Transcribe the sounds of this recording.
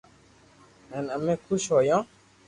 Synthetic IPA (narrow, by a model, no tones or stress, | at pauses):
ɛ̃namɛ̃kʰuʃɔjɔ̃